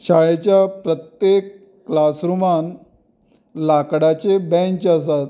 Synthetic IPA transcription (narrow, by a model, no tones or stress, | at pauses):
ɕaɭet͡ɕjapɾət̪jekː | lasɾuman | lakɽat͡ɕebɛ̃t͡ɕasat̪